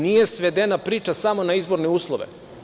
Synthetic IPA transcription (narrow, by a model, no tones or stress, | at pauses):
nije̞sʋe̞d̪enapɾiːt͡ʃasamo̞naizbo̞ɾneuːslˠoʋḛ